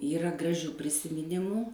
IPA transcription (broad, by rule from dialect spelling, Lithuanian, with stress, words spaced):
ˈiːrɐ ɡrɐˈʒʲuː pʲrʲɪsʲɪmʲɪˈnʲɪmuː